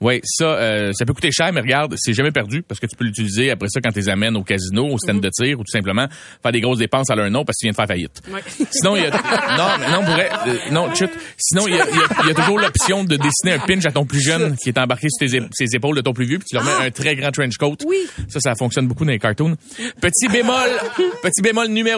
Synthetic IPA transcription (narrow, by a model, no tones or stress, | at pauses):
wɛsʌøsapøku̥t̪eʃæːʁmɛʁəɡaʁd̪sɛʒamɛpɛʁdzypaʁsə̥kət̪y̥pølːyt͡silizeapʁɛsɔkɑ̃t̪ylezamɛnokʲazinoost̪ɛnd̪ət͡s̪ɪːʁut̪u̥sɛ̃pləmã | fæɛːʁd̪eɡʁos̬d̪epɑ̃salœ̃nɔ̃paskət̪vjɛ̃d̪əfɛːʁfajɪ̰t̪wsinɔ̃jnɔ̃mɛnɔ̃puvʁɛnɔ̃t͡ʃʊt̪sinɔ̃ijijʌijɐt̪uʒuːʁlɔpsjɔ̃d̪əd̪esineœ̃pɪnʃat̪ɔ̃plyʒœnkʲiɛt̪ɑ̃baʁkʲesy̥t̪esezepoʊld̪ət̪ɔ̃plyvjøpi̥t̪ylʁmɛʔœ̃t̪ʁɛɡʁɑ̃t̪ɹɛ̃nʒkɔwt̪sʌsafɔ̃ksjɔnbukud̪ɑ̃ekɑɹt̪un | pət̪ibemɔlpət͡s̪ibemɔlnyme